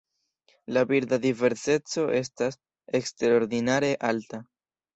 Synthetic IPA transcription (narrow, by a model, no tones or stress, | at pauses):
labiɾd̪ad̪ive̞ɾse̞t͡so̞ʔe̞s̬tas | e̞kste̞ɾo̞ɾd̪inaɾe̞ʔalta